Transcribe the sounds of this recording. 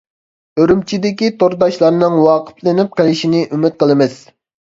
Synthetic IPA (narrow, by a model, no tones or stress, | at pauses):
øɾymt͡ʃʰid̪ɪkʲit̪oɾd̪ɑʃlˠɑɾnɨŋwɑːqʰə̥pʰlɪnɪp̚qelɪʃinɪʔymɪt̪̚qʰəlˠɨmɪs